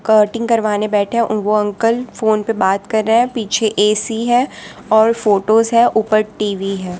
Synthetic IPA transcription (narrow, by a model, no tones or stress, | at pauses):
kəːɾʈɪ̃ŋɡkɐɾʋaːnebɛːʈʰɦɛ̃ʋoɐ̃ŋkəlfoːnpebaːt̪kɐɾːaɦɛ̃piːt͡ʃʰeʔeːsiɦɛ̃ːɔːɾfoːʈoːzɦɛ̃ʔʊpəɾʈiːʋiɦɛ̃ː